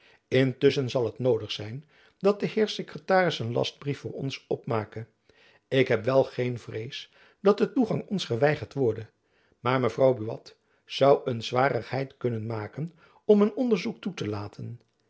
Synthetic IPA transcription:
ɪntʏsənzɑlˠɦətnowdəχsɛjn | dɑt̚dəɦɪːɹsekrətaːrɪsənlɑ̰sd̚brifʊːɹɔ̰nsɔpmaːkə | ɪkɦɛpʋɛlˠχejnvrejs | d̥ɑt̚dətuχɑŋɔnsχəʋɛjχəɹtʋɔɹdə | maːɹməvrɑwbyʋɑ̰t | z̥ɑwənzʋaːrəχɦɛjtkɵnənmaːkən | ɔmənɔndəɹzuk̚tutəlaːtʰən

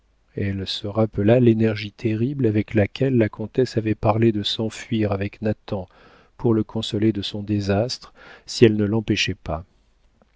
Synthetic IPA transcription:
ɛlsəʁapəlalenɛʁʒit̪ʰeʁiblavɛklakʰʲɛlːakʰɔ̃t̪ɛsavɛpaʁled̪əsɑ̃fɥiʁavɛknat̪ɑ̃ | puʁləkʰɔ̃sɔled̪əsɔ̃d̪ezast̪χsiɛlnəlɑ̃pɛʃɛpa

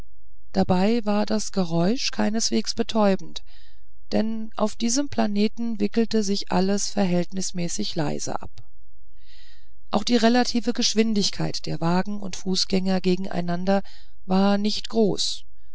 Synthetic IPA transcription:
d̥abaɪvaːɐdasɡ̥əʁɔʏʃkʰaɪnəsv̥eːksb̥ətʰɔʏbm̩t | d̥ɛn | ʔa̰ʊfd̥iːzəmpl̥aneːtn̩vɪkl̩təzɪçʔa̰ləsfɛɐɦɛltnɪsmɛːsɪçla̰ɪzə̰ʔa̰p | ʔaʊxd̥iːʁelatʰiːvəɡəʃv̥ɪndɪçkʰaɪtd̥eːɐvaːɡŋ̩ʊ̰ntfuːsɡ̥ɛŋɐɡeːɡŋ̩ʔa̰ɪnandɐ | vaːɐnɪçtɡ̥ʁoːs

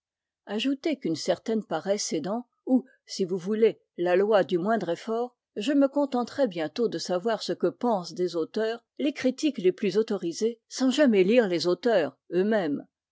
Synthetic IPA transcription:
aʒut̪ekynsɛʁt̪ɛnpaʁɛsed̪ɑ̃ | u | sivuvule | lalwad̪ymwɛ̃d̪ʁefɔːʁ | ʒəməkɔ̃t̪ɑ̃t̪χɛbjɛ̃t̪od̪əsavwaʁsəkəpɑ̃sd̪ezot̪œːʁ | lekχit̪ikleplyzot̪ɔʁizesɑ̃ʒamɛliʁlezot̪œːʁ | ømɛm

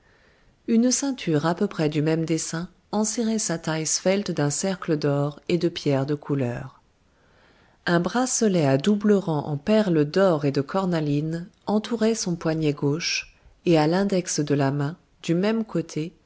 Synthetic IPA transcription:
ynsɛ̃t̪ʰyʁapøpχɛd̪ymɛmd̪esɛ̃ | ɑ̃sɛʁɛsat̪ajsfɛlt̪d̪ɛ̃sɛʁkləd̪ɔʁed̪əpjɛʁd̪əkʰulœːʁ | ɛ̃bʁasəlɛad̪ubləʁɑ̃ʔɑ̰̃pɛʁləd̪ɔʁed̪əkʰɔʁnalinɑ̃t̪ʰuʁɛsɔ̃pwaɲjɛɡoʃ | ealɛ̃d̪ɛksd̪əlamɛ̃ | d̪̥ymɛmkʰot̪ʰe

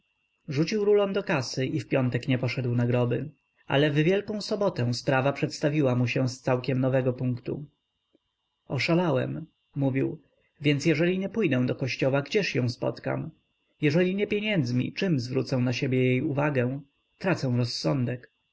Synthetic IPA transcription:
ʐut͡ɕiwɾulɔmd̪ɔkasɘʔifpʲjɔnt̪ɛkɲɛpɔʂɛd̪wnaɡɾɔbɘ | ʔa̰lɛvvʲjɛlkɔ̃w̃sɔbɔt̪ɛ̃spɾavapʂɛt̪st̪avʲiwamuɕɛst̪sawkʲɛmnɔvɛɡɔpuŋkt̪ṵ | ɔʂalawɛ̰mː | uvʲiw | vʲjɛnsjɛʐɛlʲiɲɛpujd̪ɛ̃w̃d̪ɔkɔɕt͡ɕɔwaɡd͡ʑɛʂjɔ̃w̃spɔ̰t̪ka̰m | jɛʐɛlʲiɲɛpʲjeɲɛnd̪zmʲḭt͡ʂɘmzvɾut̪sɛw̃naɕebʲjɛjejuvaɡɛ̃ | t̪ɾat̪sɛ̃w̃ɾɔsːɔnd̪ɛk

